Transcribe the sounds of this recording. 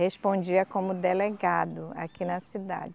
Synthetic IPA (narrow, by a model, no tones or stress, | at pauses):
hespõd͡ʒiɐkõmʊd̪eleɡad̪ʊa̰kinɐsid̪a̰d͡ʒɪ